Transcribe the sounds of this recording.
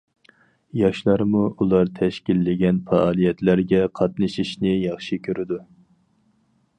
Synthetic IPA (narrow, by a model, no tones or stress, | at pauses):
jɑʃlˠɑɾmuʔulˠɑɾt̪ʰɛʃkʲilːɪɡʲɛnfɑːlˠijɛt̪læɾɡʲɛqʰɑt̪nɨʃiʃnɪjɑχʃikʲʰøɾɪd̪u